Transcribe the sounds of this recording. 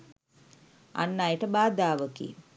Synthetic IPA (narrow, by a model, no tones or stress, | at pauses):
a̰nːajəʈəbaːd̪aːʋəkḭ